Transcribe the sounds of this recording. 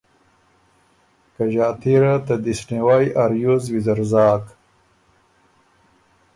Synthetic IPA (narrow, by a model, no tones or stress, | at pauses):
kɐʑaːt̪ʰiɾat̪ɐd̪isniwajʔaɾjuzwizɐɾzaːk